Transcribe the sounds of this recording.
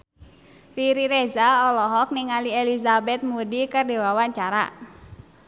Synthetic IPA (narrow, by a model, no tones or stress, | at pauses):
riɾiɾezaɔlɔɦɔk̚nɪŋalielizabɛt̪̚mudikɨrdiwawaɲt͡ʃaɾa̰